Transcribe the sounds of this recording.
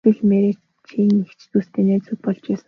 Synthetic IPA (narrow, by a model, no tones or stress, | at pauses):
ĭɮmeɾe | t͡ɕʰiːŋixt͡ɕt̪uːst̪ʰeːnæːt͡sut̪̚pɔɮt͡ɕæːs̆